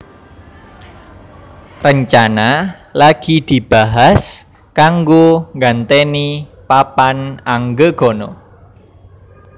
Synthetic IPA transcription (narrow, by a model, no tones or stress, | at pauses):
rəɲt͡ʃanalaɡ̥i̤d̪̥i̤b̥aɦas | kaŋɡoŋɡant̪enipapanaŋɡəɡ̥ɔ̤nɔ